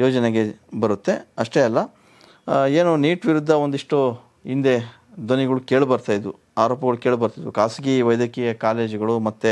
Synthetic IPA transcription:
joːd͡ʒɐneɡe̞bɐɾut̪ːe̞ɐʂʈe̞ɐlːɐ | eːnuniːʈʋiɾud̪ʱːɐond̪iʂʈo | ind̪e̞ | d̪oniɡɐɭukeːɭbɐɾt̪aːjd̪u | aːɾoːpɐɡɐɭukeːɭbɐɾt̪id̪ukaːsɡiʋɐjd̪jɐkɛjɐkaːle̞ːd͡ʒɡɐɭumɐt̪ːe

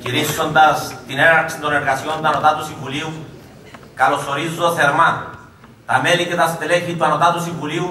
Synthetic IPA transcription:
ciɾisond̪ɐst̪ineɾaɾksint̪oneɾɣasio̞nt̪uanot̪at̪usivuliu | kalo̞so̞ɾizoθeɾma | t̪ɐmelicet̪ɐst̪eleçit̪uanot̪at̪usivuliu

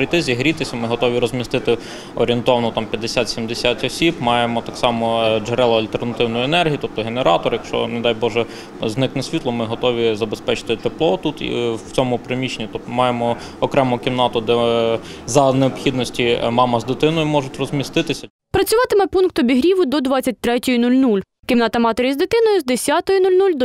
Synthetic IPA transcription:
ɾɪt̪ɪzʲiɦɾʲit̪ɪsʲɐmɪɦɔt̪ɔʋʲiɾɔzʲmʲist̪ɪt̪ɪ | ɔ̰ɾʲient̪ɔʋɐnɔt̪ɑmpʲjɐd̪ːesʲat̪sʲimd̪esʲatʲɔsʲibmɑjemɔt̪ɑksɑmɔd͡ʒeɾɛlˠɐɐlʲt̪ernɐt̪ɪwnɔjʊenɛrɦʲijit̪ɔp̚t̪ɔɦeneɾɑt̪ɔrjɐkʃt͡ʃɔ̰ned̪ɑjbɔʒɛ | znɪknɐsʲʋʲit̪lˠɔmɪɦɔt̪ɔʋʲizɐbespɛt͡ʃɪ̥t̪ɪt̪eplˠɔt̪ut̪ḭwt͡sʲɔmʊpɾemʲit͡ʃenʲit̪ɔpt̪ɔmɑjemɔ | ɔkɾɛmɔʊkʲiwnɑt̪ʊd̪ɛ | zɐneɔpxʲid̪nɔsʲtʲimɑmɐzd̪ɪt̪ɪnɔjʊmɔʒʊtʲrɔzʲmʲist̪ɪt̪ɪsʲɐ | pɾɐt͡sʲʊʋɑt̪ɪmɛpunkt̪ɔbʲiɦɾʲiʋʊd̪ɔd̪ʋɑt͡sʲːɐt̚ʲt̪ɾɛtʲɔjʊnulʲnulʲ | kʲimnɑt̪ɐmɑt̪eɾʲizd̪ɪt̪ɪnɔjʊzd̪esʲat̪ɔjʊnulʲnulʲd̪

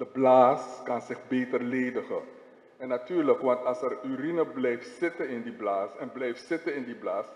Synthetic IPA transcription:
d̥əblaːskɑnsɪχbeːtərleːdəχə̰ | ɛnːatyːrləkʋɑntɑlˠsɛryrinəblɛjftsɪtənɪndiblaːsɛnblɛjftsɪtənɪndiblaːs

